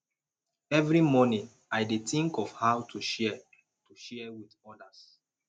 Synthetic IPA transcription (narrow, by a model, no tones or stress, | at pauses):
ɛvɹimɔnĩŋ | aɪdetĩŋkɔvhaʊtʰuʃɛ | tuʃɛwidɔdas